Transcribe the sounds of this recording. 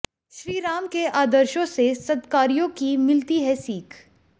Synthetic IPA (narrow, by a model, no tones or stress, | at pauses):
ʃɾiːɾaːmkeʔaːd̪əɾʃõsesɐd̪kaːɾijõkimɪlt̪iɦɛsiːkʰ